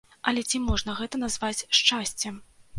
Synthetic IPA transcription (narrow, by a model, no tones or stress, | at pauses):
ɐlʲɛt͡sʲimɔʐnɐɣɛt̪ɐn̪azvat͡sʲʂt͡ʂasʲt͡sʲɛ